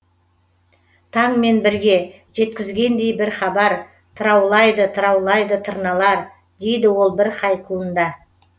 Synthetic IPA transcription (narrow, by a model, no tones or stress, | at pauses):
t̪ʰɑɴme̞nbɪɾɡʲe̞ | ʒ̥e̞t̪kʲɪzɡʲe̞nd̪e̞jbɪɾχɑbɑɾ | t̪ʰəɾɑwlˠɑjd̪ət̪ʰəɾɑwlˠɑjd̪ət̪ʰəɾnɑlˠɑɾ | d̪e̞jd̪ɪwo̞lˠbɪɾqʰɑjqʰuənd̪ɑ